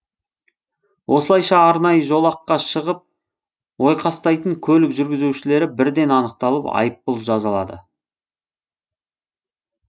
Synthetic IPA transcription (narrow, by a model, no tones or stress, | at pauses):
wʔo̞səlˠɑjʃɑːɾnɑjəʒo̞lˠɑqːɑʃəʁəp̚ | wo̞jqʰɑst̪ɑjt̪əŋkʲʰɵlɪkʒʏɾɡʲɪzuwʃɪle̞ɾɪbɪɾd̪e̞nɑnəq̚t̪ɑlˠəpɑ̰jəp̚ːʊlˠʒɑzɑlˠɑ̰d̪ə̰